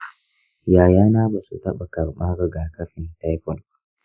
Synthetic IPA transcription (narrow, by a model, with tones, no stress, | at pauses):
jaː˨jaː˦naː˦ba˨sṵ˨tɐ˦ɓa˨kɐ˨ɾmaː˦ɡa˨ɡaː˨kɐ˦ɸɪ˨nta˦jɸɔ˨l